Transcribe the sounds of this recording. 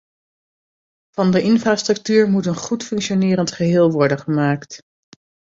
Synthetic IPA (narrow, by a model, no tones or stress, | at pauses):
v̥ɑndəʔɪnvraːstrɵk̚tyːɹmutənχutfɵŋkʃonɪːɾəntχəɦɪːlˠʋɔɹdənχəmaːkt